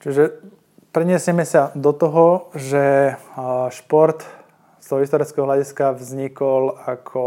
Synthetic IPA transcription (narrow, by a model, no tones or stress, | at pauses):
t͡ʃiʒɛ | pɾɛɲɪɛsɪɛmɛsad̪ɔt̪ɔɦɔʒɛ | ʃpɔɾt̪ | st̪ɔɦɔɦist̪ɔɾɛt͡skɛɦɔɦlʲaɟiskavzɲikɔlakʰɔ